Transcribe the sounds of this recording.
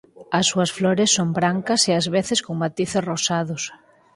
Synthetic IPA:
ɐsːuɐsflɔɾɪsːombɾaŋkɐseazβeθɪskoŋmat̪iθesrosaðʊs

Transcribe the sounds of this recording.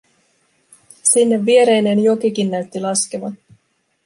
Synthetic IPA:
sinːe̞ʋːie̞ɾe̞jne̞njokikinːæɥt̪ːilɑskeʋɑ

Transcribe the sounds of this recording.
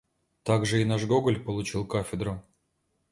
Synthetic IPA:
t̪aɡʐɨinaʐɡoɡəlʲpəlˠut͡ɕilˠkafʲɪd̪ɾʊ

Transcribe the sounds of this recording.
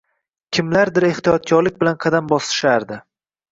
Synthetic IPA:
kʲʰɪmlaɾd̪ɪɾe̞ht̪ijɒt̪̚ɡʲɒɾlɪk̚ʲbɪlanqʰɑd̪ambɒsɪ̥ʃaɾd̪ɪ

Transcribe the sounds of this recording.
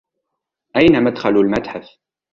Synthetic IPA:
ʔajnamad̪xalulmat̪ħaf

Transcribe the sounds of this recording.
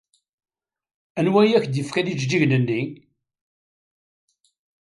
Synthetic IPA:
ænwæjæçd̪jəfkænid͡ʒd͡ʒiʝnənːi

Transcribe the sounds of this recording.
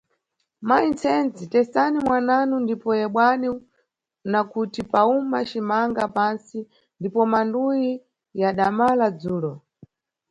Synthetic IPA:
maint͡sʰɛnd͡zitɛsanimwananundipɔjɛɓwani | nakutipaumat͡ʃimaŋɡapansi | ndipɔmanduji | jaɗamalad͡zuːɾɔ

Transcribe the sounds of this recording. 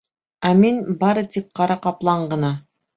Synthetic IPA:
æminbɑɾɤt̪ip̚qːɑɾɑqɑplˠɑɴɢɤ̆nɑ

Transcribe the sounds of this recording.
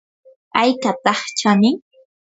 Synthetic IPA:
ajkat̪ɑχt͡ʃanɪ

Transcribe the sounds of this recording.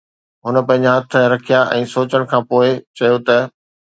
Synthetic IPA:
ɦʊnə̆pɐ̃ɦɪ̃ɲd͡ʑaɦɐt̪ʰə̆ɾɐkʰijaʔɛ̃ːsoːt͡ɕəɽ̃kʰãːpoːɪt͡ɕɐjot̪ɐ

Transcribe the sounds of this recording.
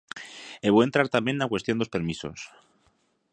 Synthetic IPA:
eβoe̞nt̪ɾaɾt̪ambje̞nnakwe̞st̪jo̞nd̪ospe̞ɾmiso̞̰s

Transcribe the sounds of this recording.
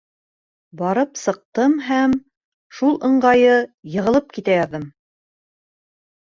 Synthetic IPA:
bɑɾɤpsɤ̆q̚t̪ɤmɦæm | ʃulˠɤ̆ɴɢɑjɤjɤ̆ʁɤ̆lˠɤp̚kit̪æjɑðɤm

